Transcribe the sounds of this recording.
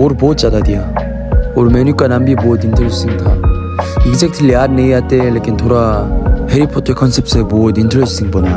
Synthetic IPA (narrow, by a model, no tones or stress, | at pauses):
oɾbot̚t͡ʃ͈adad̪ija | oɾmenukanambibod̪intʰəɾestiŋtʰa | ikzek̚tʰliad̚nejatelekintʰoɾaheɾipʰɔtʰəkʰɔnsep̚sebod̪intʰəɾestiŋpɔna